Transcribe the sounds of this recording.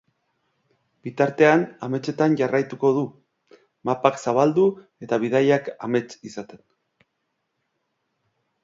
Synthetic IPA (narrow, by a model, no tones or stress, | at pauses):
bit̪aɾt̪e̞aname̞t͡ʃe̞t̪anʝarajt̪uko̞ð̞u | mapaksaβ̞ald̪u | e̞t̪aβ̞ið̞ajaka̰me̞t͡ʃisat̪e̞n